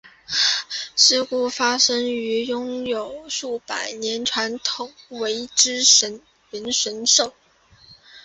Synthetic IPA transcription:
sɻ̩˥ku˥fa˥ʂɤ˥ŋy˧˥jʊ˥ŋjo˨˩ʊʂu˥˩pa˨˩ɪnjɛ˧˥nʈ͡ʂʰwa˧˥nt̪ʰʊ˨˩ʊŋwe˧˥ɪʈ͡ʂɻ̩˥ə˧˥n | ɥə˧˥nʂə˧˥nʂo˥˩

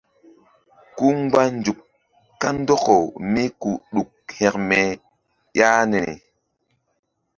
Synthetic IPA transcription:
ku˦ŋ˦ɡ͡ba˦nd͡ʒu˨k | ka˦n˦dɔ˦ko˨mi˦ku˨ɗu˨k̚hɛ˨kmɛ˨ | ja˦ne˨nḭ˨

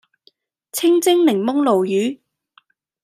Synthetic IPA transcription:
t͡sʰɪ˥ŋt͡sɪ˥ŋlɪ˨˩ŋmʊ˥ŋlo˨wjyː˨˥

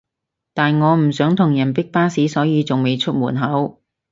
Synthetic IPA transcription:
t̪aː˨nŋɔː˨˧m̩˨˩sœː˨˥ŋt̪ʰʊ˨˩ŋjɐ˨˩npɪ˥k̚paː˥siː˨˥sɔː˨˥jiː˨˧t͡sʊ˨ŋme˨˧jt͡ʃʰɵ˥t̚muː˨˩nɦɐ˨˥w

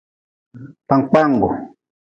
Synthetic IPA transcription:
ta˧ŋk͡pa˦ŋ˨ɡo̰˨

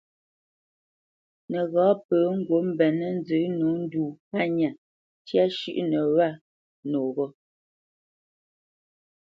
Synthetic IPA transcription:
nə˨ɣɔ̃ː˨˦pəː˨˦ŋ̩˦ɡwo˨˦m̩˦bɛ˨nə˦n˦d͡zə˨˦nu˨˦n̩˦duː˨a˦˨ɲa˨ | tja˦ʃʉ̰˦ʔnə˨wa˦˨ | noː˨ɣɔ˦

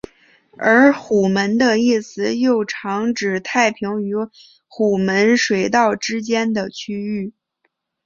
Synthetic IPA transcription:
ə˧˥xu˨˩mə˧˥nd̪ə˧i˥˩sɹ̩˨˩jo˥˩ʊʈ͡ʂʰɑ˧˥ŋʈ͡ʂɻ̩˨˩t̪ʰa˥˩ɪpʰi˧˥ŋy˧˥ | xu˨˩mə˧˥nʂwe˨˩ɪt̪ɑ˥˩ʊʈ͡ʂɻ̩˥t͡ɕjɛ˥nd̪ə˨t͡ɕʰy˥y˥˩

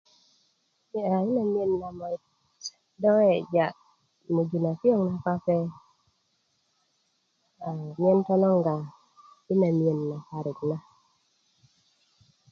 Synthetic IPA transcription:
i˦a˨ɪ˦na˨mi˦e˨nːa˨mɔ˨ | dɔ˦ŋɛ˦d͡ʒa˨ʔ | mo˨d͡ʒu˨na˨fjo˦ŋna˦ka˦pɛ˦ | a˨mjɛ˦ntɔ˦nɔ˦ŋɡa˨ | ɪ˦na˨mje˨nːa˨ka˨ɾɪ˨tna˦

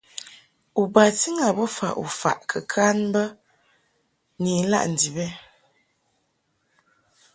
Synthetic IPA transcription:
u˨ba˨ti˦ŋa˨bə˦fa̰˨ʔṵ˨fa̰˨ʔkʰə˨kʰa˦nbə˦ | ni˨n̩˦la̰˦ʔn̩˨di˨bɛ˦

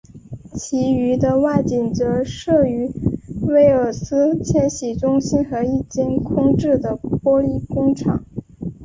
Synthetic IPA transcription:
t͡ɕʰi˧˥y˧˥d̪ə˧wa˥˩ɪt͡ɕi˨˩nt͡sɤ˧˥ʂɤ˥˩y˧˥we˥˩ɪə˞˨˩sɹ̩˥t͡ɕʰjɛ˥nɕi˨˩ʈ͡ʂʊ˥ŋɕi˥nxɤ˧˥i˥˩t͡ɕɛ˥nkʰʊ˥ŋʈ͡ʂɻ̩˥˩d̪ə˩pwɔ˥li˥˩kʊ˥ŋʈ͡ʂʰɑ˨˩˦ŋ

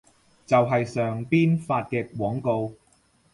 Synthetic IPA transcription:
t͡sɐ˨wɦɐ˨jsœː˨ŋpiː˥nfaː˧t̚kɛː˧kwɔː˨˥ŋko˧w

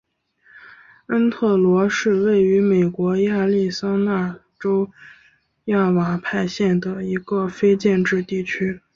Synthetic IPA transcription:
ə˥nt̪ʰɤ˥˩lwɔ˧˥ʂɻ̩˥˧we˥˩ɪy˧˥me˨˩ɪkwɔ˧˥ja˥˧li˥˩sɑ˥ŋna˥˩ | ʈ͡ʂo˥ʊ | ja˥˩wa˨˥˩pʰa˥˧ɪɕjɛ˥˩nd̪ə˩i˧˥ɡə˧fe˥ɪt͡ɕjɛ˥˧nʈ͡ʂɻ̩˥˧t̪i˥˩t͡ɕʰy˥

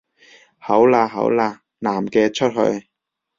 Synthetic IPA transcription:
hɐ˨˥wlaː˧ɦɐ̰˨˥wlaː˧ | naː˨˩mkɛː˧t͡ʃʰɵ˥t̚hɵ̰˧ɥ

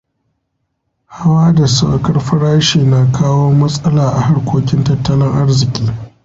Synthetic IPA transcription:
ha˦waː˦da˨sa˦kɐ˦rɸɐ˦ɽaː˦ʃeː˨na˨kʰaː˦woː˦mɐ˦sʼɐ˦laː˨ʔa˨ha˦rkʷoː˦kʲɪ˦ntɐ˦tːɐ˦lɪ˦ŋʔa˦rzɪ˨kʲʼiː˦

